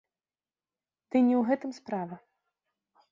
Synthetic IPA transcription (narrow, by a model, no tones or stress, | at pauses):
t̪ɨnʲɛwɣɛt̪ɨmspɾavɐ